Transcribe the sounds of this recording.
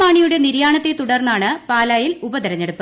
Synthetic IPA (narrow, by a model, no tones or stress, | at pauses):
aːɳijuɽe̞niɾjaːɳɐt̪ːe̞t̪uɽɐrnːaːɳɨpaːlaːjilubɐd̪ɐɾɐɲːeɽupːɨ